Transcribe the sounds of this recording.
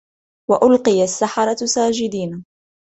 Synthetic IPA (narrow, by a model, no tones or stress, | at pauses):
waʔʊlqɨjasːaħɑɾˤɑsaːd͡ʒɪd̪iːna